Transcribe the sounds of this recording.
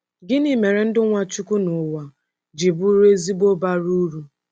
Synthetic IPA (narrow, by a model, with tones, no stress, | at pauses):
ɡɪ˦ni˨me˨ɾe˨n̩˦dɪ˦ŋʷa˦t͡ʃu˦ku˦nʊ˨wa˨ | d͡ʒi˨bu˦ɾe˦zi˦bo˦ba˦ɾu˦ɾu˦